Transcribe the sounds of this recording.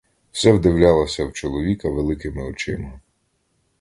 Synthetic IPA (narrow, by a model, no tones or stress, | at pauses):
w̥sɛwd̪ɪwlʲalˠɐsʲɐwt͡ʃɔlˠɔʋʲikɐʋelˠɪkɪmɪɔt͡ʃɪmɐ